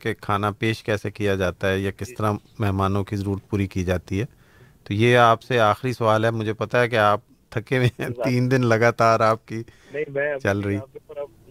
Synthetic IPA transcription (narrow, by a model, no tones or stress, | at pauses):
kekʰaːnapeːʃkɛːsekijad͡ʒaːt̪aɦɛjakɪst̪əɾamɛɦmaːnõkizɐɾuːɾət̪̚puːɾikid͡ʒaːt̪iɦɛː | t̪oːjeaːpseaːxɾisɐʋaːlɦɛmʊd͡ʒʱepɐt̪aɦɛk̬eaːp̚ | t̪ʰɐkemẽt̪iːnd̪ɪnlɐɡaːt̪aːɾaːp̚ki | t͡ʃɐlɾɐɦiː